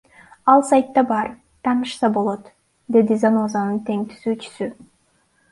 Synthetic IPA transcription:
ɑlˠsajt̪ːɑbɑɾ | t̪ʰɑːnɯʃsɑbo̞lˠo̞t̪ | d̪e̞d̪izanozanɯnt̪e̞ŋt̪ʰy̥zyːt͡ʃy̥sy

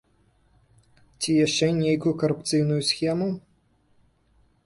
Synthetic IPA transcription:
t͡sʲijaʂt͡ʂɛnʲejkʊjukɐɾupt̪sɨjnujusxʲɛmu

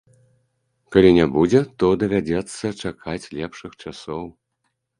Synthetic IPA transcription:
kalʲinʲabud͡zʲɛt̪ɔd̪ɐvʲad͡zʲɛt̪sːɐt͡ʂakʰat͡sʲlʲɛpʂɨxt͡ʂasɔw

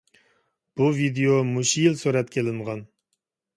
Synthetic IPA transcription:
b̥uvid̪ejomuʃijilsøɾɛt̪kʲʰelɪɴʁɑn

